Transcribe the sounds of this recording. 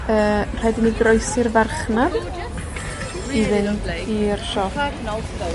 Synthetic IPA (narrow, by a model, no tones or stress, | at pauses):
əːr̥ɛdɪniɡrɔjsɪrvarχnað | ivɨnirʃɔf